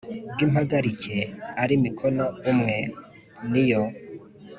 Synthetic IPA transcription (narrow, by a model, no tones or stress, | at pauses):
bɡimhaɡaɾiceaɾimikʰonaumŋe | nijo